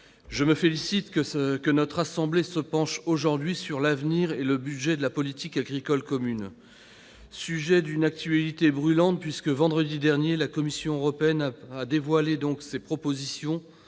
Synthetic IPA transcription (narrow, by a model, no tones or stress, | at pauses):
ʒəməfelisit̪kəkənɔt̪χasɑ̃blesəpɑ̃ʃoʒuʁd̪ɥisyʁlavniʁeləbyd̪ʒɛd̪əlapɔlit̪ikaɡʁikɔlkɔmyn | syʒɛd̪ynak̚t̪ɥalit̪ebʁylɑ̃t̪̚pɥiskəvɑ̃d̪ʁəd̪id̪ɛʁnjelakɔmisjɔ̃øʁɔpeɛnaad̪evwaled̪ɔ̃ksepχɔpozisjɔ̃